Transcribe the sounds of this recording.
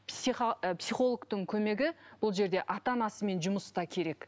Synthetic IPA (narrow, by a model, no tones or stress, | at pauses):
psiχpsijχo̞lˠəɡt̪əɴkʲʰɵme̞ɡʲɪb̥ʊlˠʒe̞ɾd̪e̞ʔɑt̪ɑnɑsəme̞nʒʊməst̪ɑkʲʰe̞ɾe̞k